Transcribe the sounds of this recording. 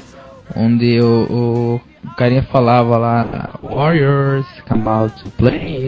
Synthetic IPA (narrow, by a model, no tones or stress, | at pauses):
õ̰nd̪ɪʊʔʊ | kaɾĩɐfalavɐla̰wɔɾjəɾz̥kɐ̃mawt̪uple